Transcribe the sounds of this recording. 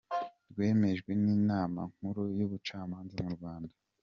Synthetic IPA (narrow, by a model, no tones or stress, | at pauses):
ɾɡwe̞ːme̞ʒɡwe̞niːnaːma̰ŋ̥huɾujuβut͡ʃaːmaːnzamuɾɡwaːnda